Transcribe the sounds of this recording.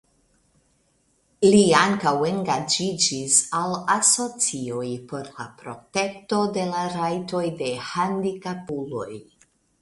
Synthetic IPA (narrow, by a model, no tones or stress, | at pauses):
liaŋkawe̞ŋɡad͡ʒid͡ʒisalaso̞t͡sio̞jpo̞ɾla̰pɾo̞te̞kto̞de̞laɾajto̞jde̞handikapulo̞̰j